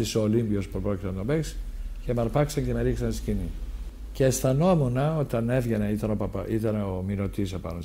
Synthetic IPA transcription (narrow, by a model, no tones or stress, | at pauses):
isolimbio̞spupɾo̞cit̪enɐt̪ombeksce̞mɐɾpɐksɐɲce̞meɾiksɐnst̪i̥scini | ceːsθɐno̞munɐot̪ɐne̞vʝeneit̪ɐno̞pɐpɐʔit̪ɐneomino̞t̪isepɐ̰no